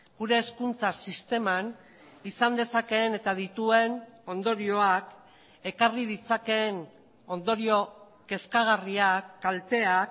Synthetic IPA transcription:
ɡ̥uɾe̞ːskunt͡sasist̪e̞man | isand̪e̞sake̞ne̞t̪aðit̪ue̞no̞nd̪o̞ɾio̞ak | e̞karið̞it͡sake̞n | o̞nd̪o̞ɾio̞ | ke̞skaɣ̞ariakːalt̪e̞ak

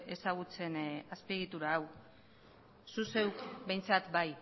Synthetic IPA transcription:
e̞saɣ̞ut͡se̞naspieɣ̞it̪uɾaːw | suse̞wkbe̞jnt͡sat̪baj

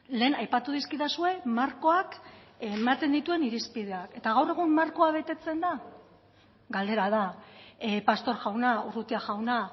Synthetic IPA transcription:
le̞ːnajpat̪uð̞iskiðasue̞maɾko̞akmat̪e̞nd̪it̪ue̞niɾispið̞e̞ake̞t̪aɣ̞awre̞ɣ̞umːaɾko̞aβ̞e̞t̪e̞t͡se̞nd̪a | ɡald̪e̞ɾaða | past̪o̞ɾʝawnaurut̪iaʝawna

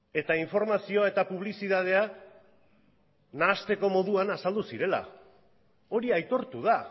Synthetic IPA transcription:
e̞t̪aiɱfo̞ɾmasio̞ae̞t̪apuβ̞lisiðað̞e̞a | naːst̪e̞ko̞mo̞ð̞uanasald̪usiɾe̞la̰ | o̞ɾiajt̪o̞ɾt̪uð̞a

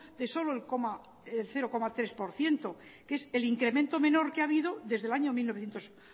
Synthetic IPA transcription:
d̪e̞so̞loelkoma | elθe̞ɾo̞ko̞mat̪ɾe̞spo̞ɾθje̞nt̪o̞ke̞se̞liŋkɾe̞ment̪o̞mẽ̞no̞ɾkeaβiðo̞ðe̞zðe̞laɲo̞milnoθjent̪os

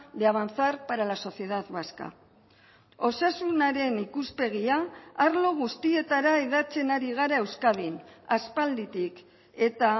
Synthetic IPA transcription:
d̪eaβant͡saɾpaɾalaso̞sie̞ðat̪βaska̰ | o̞sasunaɾe̞nikuspe̞ɣiaːɾlo̞ɣ̞ust̪ie̞t̪aɾae̞ðat͡se̞naɾiɣ̞aɾae̞wskaβin | aspald̪it̪ik | e̞t̪a

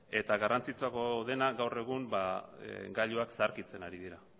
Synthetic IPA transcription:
e̞t̪aɣarant͡sit͡sako̞ðe̞naɡawre̞ɣ̞umbaɡaʎuaksaɾkit͡se̞naɾið̞iɾa

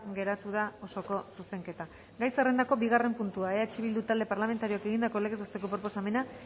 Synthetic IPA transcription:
ɡe̞ɾat̪uð̞ao̞so̞ko̞suse̞ŋke̞t̪a | ɡajsere̞nd̪ako̞biɣare̞mpunt̪uaeaet͡ʃiβ̞ild̪ut̪ald̪e̞paɾlame̞nt̪aɾioake̞ɣind̪ako̞le̞ɣezost̪e̞ko̞pɾo̞po̞same̞na

